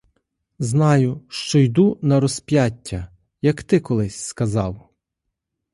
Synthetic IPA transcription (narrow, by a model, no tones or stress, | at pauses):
znɑjʊʃt͡ʃɔjd̪unɐɾɔspʲjatʲːɐ | jɐkt̪ɪkɔlˠɪsʲskɐzɑw